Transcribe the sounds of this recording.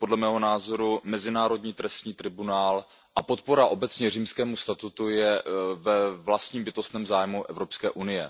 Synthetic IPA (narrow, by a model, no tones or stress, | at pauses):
po̞dlɛmɛːɦo̞naːzo̞ɾumɛzɪnaːɾo̞dɲiːt̪ɾɛst̪ɲiːt̪ɾɪbunaːl | ʔapo̞t̪̚po̞ɾaʔo̞bɛt͡sɲɛriːmskɛːmust̪at̪ut̪ujɛvɛvlast̪ɲiːmbɪt̪o̞st̪nɛːmzaːjmuʔɛvɾo̞pskɛːʔunɪjɛ̰